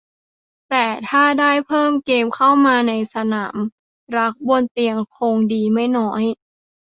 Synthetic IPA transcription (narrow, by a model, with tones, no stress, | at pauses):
t̪ɛː˨˩t̪ʰaː˥˩daː˥˩jpʰɤː˥˩mkeː˧mkʰa˥˩wmaː˧na˧jsa˧naː˩˦m | ɾa˦˥k̚bo˧nt̪i˧əŋkʰo˧ŋdiː˧ma˥˩jnɔ˦˥j